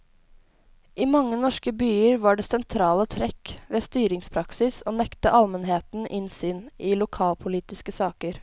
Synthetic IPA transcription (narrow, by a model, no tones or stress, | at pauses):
ʔiːmɑŋːənɔʂkəbyːəɾʋɑːɖeːsɛnt̪ʰɾɑːlət̪ʰɾɛkʋeːst̪yːɾɪŋspʰɾɑksɪsoːnɛkt̪əʔɑlmənɦeːt̪n̩ʔɪnsyːnʔiːlʊkʰɑːlpʰʊliːt̪ɪskəsɑːkəɾ